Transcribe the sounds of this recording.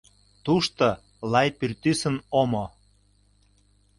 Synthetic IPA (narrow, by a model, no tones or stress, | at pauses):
t̪uʃt̪o | lɑjpyrt̪ysənomo